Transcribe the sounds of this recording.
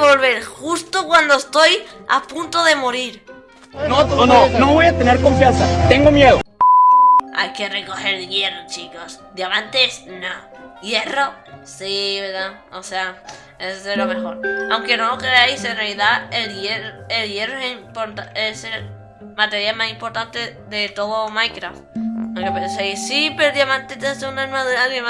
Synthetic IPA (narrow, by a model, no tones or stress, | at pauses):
βolβe̞ɾxust̪okwand̪oest̪o̞ja̰punt̪oðe̞mo̞ɾiɾ | noononoβojat̪e̞neɾko̞ɱfjansat̪e̞ŋɡo̞mjeðo | a̰jke̞re̞ko̞xe̞ɾʝe̞rot͡ʃiko̞sd̪jamant̪e̞sno | je̞ro̞ | siβeɾða | osea | eselo̞me̞xo̞ɾawŋke̞nookeeaisenrealiðaeljeroelje̞roesimpoɾt̪aeseɾ | mat̪e̞ɾjalmasimpo̞ɾt̪ant̪eðe̞t̪o̞ðomajkɾaft̪okopensejsipeoðjamãnt̪et̪esunaɾmaðuɾaðema